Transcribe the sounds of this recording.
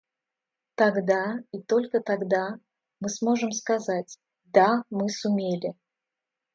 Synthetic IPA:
t̪aɡd̪ait̪olʲkət̪aɡd̪a | mɨsmo̞ʐɨmskɐzatʲ | d̪amɨsʊmʲelʲɪ

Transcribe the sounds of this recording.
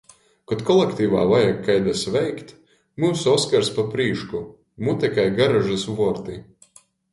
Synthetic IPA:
kɔt̪kɔlˠekt̪iːva̰ːvajakʰːajd̪asvɛjkt̪ | muːsuɔskaɾspapɾiːʃku | mut̪ʲɛkajɡaɾaʒasvɔɔɾt̪i

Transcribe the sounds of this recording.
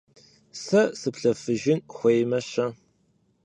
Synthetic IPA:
sɐsɨpɬɐfɨʒɪnxʷejmɐɕɐ

